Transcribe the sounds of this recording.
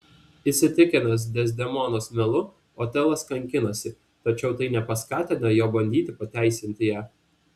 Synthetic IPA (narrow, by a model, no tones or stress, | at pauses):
isʲɪt̪ʲɪkʲɪnɐs̬d̪ʲɛzʲd̪ʲɛmɔnoːsmʲɛlˠʊ | oːt̪ʲɛlˠɐskɐŋʲkʲɪnɐsʲɪ | t̪ɐt͡ʃʲɛʊt̪ɐɪnʲɛpɐskɑːt̪ʲɪnɐjoːbɐnʲd̪ʲiːt̪ʲɪpɐt̪ʲæˑɪsʲɪnʲt̪ʲɪjæː